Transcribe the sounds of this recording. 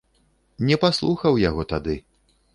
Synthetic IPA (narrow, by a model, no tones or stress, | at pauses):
nʲɛpaslˠuxɐwjaɣɔt̪ad̪ɨ